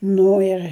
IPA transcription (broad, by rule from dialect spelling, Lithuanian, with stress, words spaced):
ˈnʊ ɪr